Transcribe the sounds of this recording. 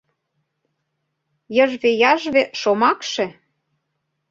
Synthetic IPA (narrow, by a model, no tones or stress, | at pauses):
jə̆ʒβejɑʒβeʃomɑkʃĕ